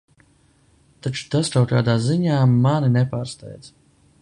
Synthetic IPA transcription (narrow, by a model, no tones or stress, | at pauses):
t̪at͡ʃu̥t̪askawkaːd̪aːziɲaːmaninɛpaːɾst̪ɛ̰jd̪z̥